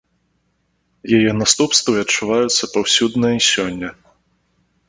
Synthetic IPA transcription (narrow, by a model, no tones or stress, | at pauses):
jajɛnast̪upst̪viɐt͡ʂːuvajut̪sːɐpawsʲud̪nɐisʲɔnʲːɐ